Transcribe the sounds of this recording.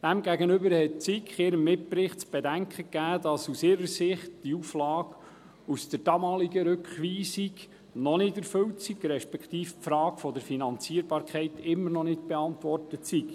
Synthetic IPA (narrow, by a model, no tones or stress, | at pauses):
d̥æmɡæɡənʏbəɾhɛt̚t͡sikχɪɾəmːɪt̚pɾɪχtsb̥edæŋkχəkːæːdɑsusɪːɾəsɪχtd̥iuflɑːɡ | usd̥əɾdɑmɑːliɡəɾɵkχʋiːsiɡ | nɔnɪdɛɾfɵwtsiɡɾɛʃpɛkt̪iːfpfɾɑːɡ̥fɔdəɾfinɑnt͡siːəɾbɑːɾkʰχɛɪtɪmːəɾnɔnɪtb̥ɛɑntʋɔrtətsik